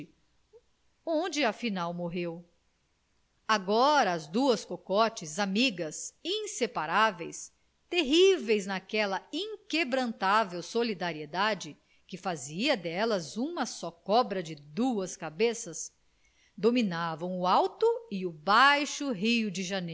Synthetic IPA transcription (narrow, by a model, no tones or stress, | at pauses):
õd͡ʒɪɐfinawmoɦew | aɡɔɾɐːzd̪uɐskokɔt͡ʃɪzamiɡɐsĩsepaɾavejs | t̪eɦivejznakɛlɐĩŋkebɾɐ̃nt̪avewsolid̪aɾied̪ad͡ʒɪ | kɪfaziɐd̪ɛlɐzũmɐsɔkɔbɾɐd͡ʒɪd̪uɐskabesɐs | d̪ominavɐ̃w̃ʊawt̪ʊɪʊbajʃʊɦijʊd͡ʒɪʒɐne